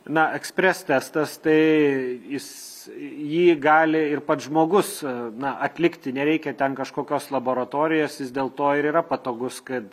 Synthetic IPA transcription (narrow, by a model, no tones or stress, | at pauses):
nɐɛksʲpʲɾʲɛst̪ʲæst̪ɐst̪ɐɪjɪs | jiːɡɑːlʲɪɪrpɐt̪ʒmoːɡʊsnɐʔɐt̪ʲlʲɪkt̪ʲɪnʲɛɾʲɛɪkʲɛt̪ʲɛnkɐʃkoːkʲoːslˠɐboːɾɐt̪oːɾʲɪjoːsjɪsd̪ʲeːlˠt̪oːɪɾiːɾɐpɐt̪oːɡʊskɐt̪